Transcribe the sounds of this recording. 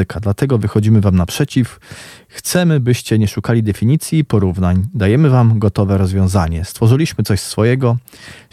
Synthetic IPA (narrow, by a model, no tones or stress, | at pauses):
ɘkad̪lat̪ɛɡɔvɘxɔd͡ʑimɘvamnapʂɛt͡ɕif | xt̪sɛmɘbɘɕt͡ɕɛɲɛʂukalʲid̪ɛfʲiɲit̪sʲjiːpɔɾuvnaɲd̪ajɛmɘvamɡɔt̪ɔvɛɾɔzvʲjɔ̃w̃zaɲɛst̪fɔʐɘlʲiɕmɘt̪sɔɕsfɔjɛɡɔ